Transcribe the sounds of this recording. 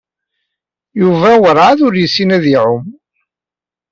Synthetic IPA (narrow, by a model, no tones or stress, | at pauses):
juvæwəɾˤaðʊɾjəsːinæðiʕʊm